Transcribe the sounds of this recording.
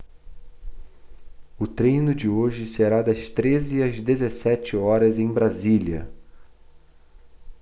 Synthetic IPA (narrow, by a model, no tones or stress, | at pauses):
ʊt̪ɾejnʊd͡ʒɪoʒɪseɾad̪ɐst̪ɾezɪɐzd̪ezesɛt͡ʃɪɔɾɐzẽj̃bɾaziljɐ̰